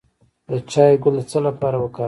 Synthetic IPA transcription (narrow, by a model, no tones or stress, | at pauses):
d̪ət͡ʃɑjɡʊlət͡səlapɑɾawəkɑ